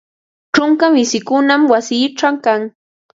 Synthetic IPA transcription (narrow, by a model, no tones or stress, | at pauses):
ʈ͡ʂʊŋkamɪsɪkʊnamwasiːʈ͡ʂamkaŋ